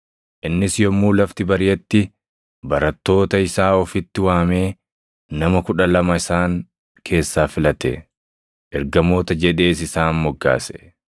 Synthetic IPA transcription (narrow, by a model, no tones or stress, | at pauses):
ʔɪnːɪsjɔmːuːlɐft̪ɪbɐɾɪjɛt̪ːɪ | bɐɾɐt̪ːo̞ːt̪ɐɪsaːɔfɪt̪ːɪwaːme̞ː | nɐmɐkʊᶑɐlɐmɐɪsaːŋ | kʰe̞ːsːaːfɪlɐt̪ɛ̰ | ʔɛɾɡɐmo̞ːt̪ɐd͡ʒɛᶑe̞ːs̬ɪsaːnmɔɡːa̰ːsɛ̥